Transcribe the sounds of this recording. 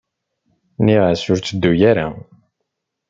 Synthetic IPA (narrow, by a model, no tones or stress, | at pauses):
niʁæsʊɾt͡sːəd̪ːujæɾæ̰